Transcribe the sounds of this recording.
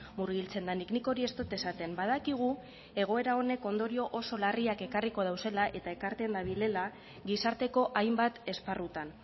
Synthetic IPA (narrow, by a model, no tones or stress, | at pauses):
muɾɣilt͡se̞nd̪anikniko̞ɾie̞st̪o̞t̪e̞sat̪e̞mbað̞akiɣ̞u | e̞ɣ̞o̞e̞ɾao̞ne̞ko̞nd̪o̞ɾio̞ʔoso̞lariake̞kariko̞ð̞awse̞laʔe̞t̪ae̞kaɾt̪e̞nd̪aβile̞la | ɡisaɾt̪e̞ko̞ʔajmbat̪e̞sparut̪an